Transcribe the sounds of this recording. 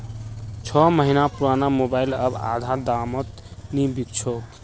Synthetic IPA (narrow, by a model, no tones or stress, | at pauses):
t͡ʃʰɔməɦinapuɾanamobailəba̰d̪ʱad̪amət̪ | nibik̚t͡ʃʰɔ